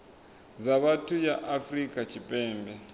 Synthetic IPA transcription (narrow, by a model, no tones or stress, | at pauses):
zaβatʰujaʔafrikʼat͡ʃʰipʼɛːmbɛ